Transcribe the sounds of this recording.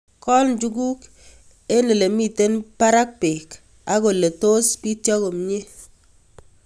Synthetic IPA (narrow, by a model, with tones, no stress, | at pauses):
kɔ˦ln˦d͡ʒu˦ku˦k | e˦ne˨le˨mi˨te˦npa˦ɾa˦k̚pe˨k | a˦ko˨le˨to˦spi˦tjɔ˦ko˨m˨ɲe˦